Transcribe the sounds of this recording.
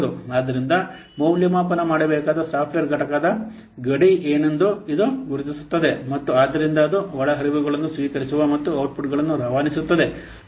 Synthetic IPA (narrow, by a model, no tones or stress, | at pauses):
d̪uaːd̪ɐɾind̪ɐ | mɐwljɐmaːpɐnɐmaːɽɐbɛːkaːd̪ɐsaːpʰʋeːɾɡʱɐʈɐkaːd̪ɐ | ɡɐɽiʔeːne̞nd̪uid̪uɡuɾut̪isu̥t̪ːɐd̪e̞mɐt̪ːuaːd̪ːɐɾind̪ɐːd̪uʋɐɭɐɦɐɾiʋuɡɐɭɐnːusʋiːkɐɾisuʋɐmɐt̪ːuɐwʈ̚pʰuʈɡɐɭɐnːuɾɐʋaːnisut̪ːɐd̪e̞